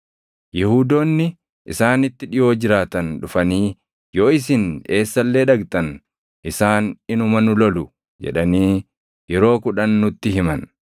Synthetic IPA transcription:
jɛhuːd̪o̞ːnːɪ | ʔsaːnɪt̪ːɪᶑɪjo̞ːd͡ʒɪɾaːt̪ɐnᶑʊfɐniː | jo̞ːɪs̬ɪne̞ːsːɐlːe̞ːᶑɐɡt̪ʼɐn | ʔɪsaːnɪnʊmɐnʊlɔlʊ | d͡ʒɛ̰ᶑɐniː | jɛɾo̞ːkʊᶑɐnːʊt̪ːɪhɪmɐn

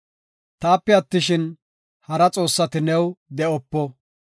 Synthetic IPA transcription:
t̪aːpːɛɐt̪ːɪʃɪn | hɐɾɐt͡sʼo̞ːsːɐt̪ɪnɛwd̪ɛɔpːɔ

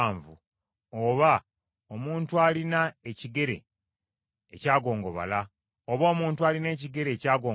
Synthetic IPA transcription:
ɱvṵ | oːβa | omuːntualinaeciɡe̞ɾe̞̰ | caːɡo̞ːŋɡo̞βa̰la | oβoːmuːntuaːline̞ːciɡe̞ɾe̞ːcaːɡoː

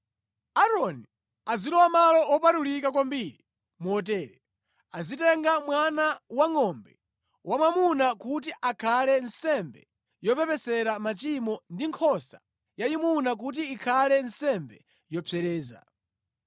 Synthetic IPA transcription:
aɾɔni | azilɔwamalɔɔpatuɾikakwambiɾi | muɔt̬ɛːɾɛ | azitɛŋɡamwanawaŋɔmbɛ | wamwamunakut̬iʔakʰalɛnsɛmbɛ | jɔpɛpɛsɛɾamat͡ʃimɔndiŋkʰɔsa | jaimunak̬ut̬iːkʰalɛnsɛmbɛ | jɔpʰɛɾɛːza̰

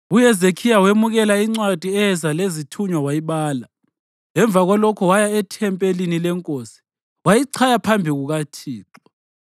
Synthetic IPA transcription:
ujɛzekʰijawemuɣɛlaiŋ͡ǀwad̥ʱiɛɛzalezitʰuɲwawajiɓaːla | ɛɱb̪vʱaɣwalɔkʰɔwajaɛtʰɛmpʼelinilɛŋkʼoːsi̥ | wajiǀʰajapʰambʱiɣuɣatʰiːǁɔ

